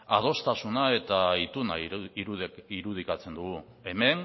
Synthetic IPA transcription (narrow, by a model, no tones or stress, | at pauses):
a̰ð̞o̞st̪asunae̞t̪ait̪unaiɾuðiɾuð̞ikat͡se̞nd̪uɣu | e̞me̞n